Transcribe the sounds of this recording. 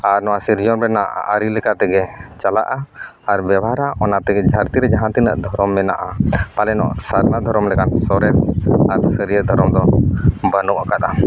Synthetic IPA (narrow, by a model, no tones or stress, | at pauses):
aɾnɔwasiɾd͡ʒɔnbɛnaʔa̰ʔəɾilɛkat̪ɛɡɛt͡ʃala̰ʔaː | ɾbjɛbaɾaʔɔnat̪ɛɡɛd͡ʒʱaɾt̪iɾɛd͡ʒaɦãnt̪inə̰ʔd̪ʱɔɾɔmːɛna̰ʔapalɛnɔ̰ʔsaɾnad̪ʱɔɾɔmlɛkansɔɾɛsaɾsəɾijəd̪ʱɔɾɔmd̪ɔbənuʔakat̪a